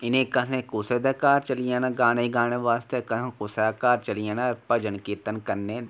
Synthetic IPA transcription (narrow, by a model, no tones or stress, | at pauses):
ɪnẽkɐɦẽkused̪ɐkaːɾt͡ʃɐlijenaɡaːñeiɡaːɽ̃eʋaːst̪ekɐɦẽkʊsekaːɾt͡ʃɐlijẽnapɐd͡ʒɐnkiːt̪ənkɐɾne